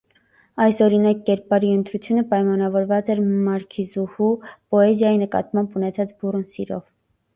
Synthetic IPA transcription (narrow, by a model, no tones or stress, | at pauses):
ɑjsɔɾinɑkːɛɾpɑɾiənt̪ɾut͡sʰjunəpɑjmɑnɑvɔɾvɑt͡sɛɾmɑɾkʰizuhupɔɛzjɑjinəkɑ̰t̪mɑmbunɛt͡sʰɑt͡sburunsḭɾɔ̰v